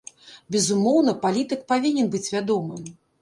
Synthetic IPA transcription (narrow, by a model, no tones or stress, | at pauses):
bʲɛzumɔwnɐpalʲit̪ɨk̚pavʲinʲɛnbɨt͡sʲvʲad̪ɔmɨm